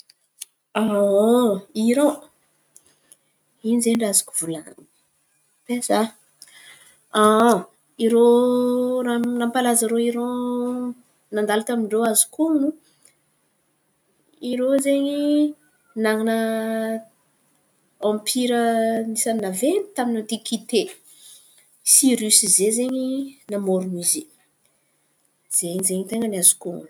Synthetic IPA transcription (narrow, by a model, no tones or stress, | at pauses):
a | iɾõ | inizeɳɖ͡ʐazḁku̥vulani | pesa | a | iɾo | ɾanampalazəɾoiɾo | nand̪alat̪amiɳɖ͡ʐoazi̥kunu | iɾozeɲi | naŋinə | ãmpʰiɾənisannavent̪aminad̪ikit̪e | siɾysizezeɲinamoɾunizi | z̥eɲizeɲit̪eŋənazu̥ku